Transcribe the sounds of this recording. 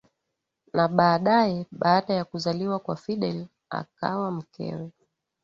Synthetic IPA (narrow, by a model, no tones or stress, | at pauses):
naɓaːɗaɛɓaːɗajakuzaliwakwafiɗɛl | a̰ka̰wam̩kɛ̰wɛ